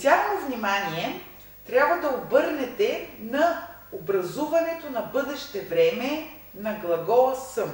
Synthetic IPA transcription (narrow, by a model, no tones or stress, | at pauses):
t̪ʲjaxovnʲimanʲiɛ | t̪ɾʲabvɐd̪ɐobɤɾnɛt̪ɛnɐobɾɐzuvɐnɛt̪onɐbɤd̪ɛʃt̪ɛvɾɛmɛ | nɐɡlˠɐɡɔsɤm